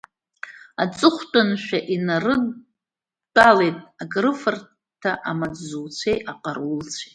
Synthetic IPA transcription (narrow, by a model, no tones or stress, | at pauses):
at͡sʼɨχʷtʼanʃᶣaʔinarɨː | alejtʼaɡrɨfar | tʰaʔamad͡zzult͡sʷʰejʔaqʼarult͡sʷʰe̥tʼ